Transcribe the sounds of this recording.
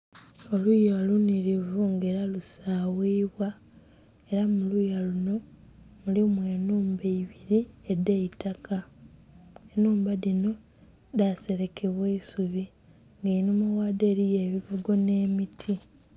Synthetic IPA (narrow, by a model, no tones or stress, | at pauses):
o̞lujaluniɾivuŋɡe̞ːɾalusaːwiːβwa | e̞ɾamulujaluno̞ | mulimwe̞ːnuːmbeiβiɾie̞de̞itakʰa | enuːmbaðino̞ | dase̞ɾe̞kʰe̞βweisuβi | ŋɡainomawaːde̞ːɾije̞ːβiɡoɡo̞ne̞ːmitʰi